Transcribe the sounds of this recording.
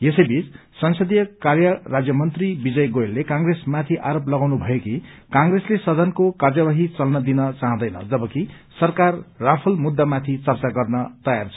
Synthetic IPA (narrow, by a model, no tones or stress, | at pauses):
esʌjbit͡s | sʌnsʌd̪ijʌkarjʌrad͡zjʌmʌnt̪ribid͡zʌjɡojelːekãŋɡresmat̪ʰiʔaɾoplʌɡawnubʱʌjekikaŋɡreslesʌd̪ʱʌnkokard͡zjʌbaɦit͡sʌlnʌd̪inʌt͡saɦʌ̃d̪ʌjnʌ̰d͡zʌbʌki | sʌrkarːapʰʌlmud̪ːamat̪ʰit͡sʌrt͡saɡʌrnʌt̪ʌjart͡sʰʌ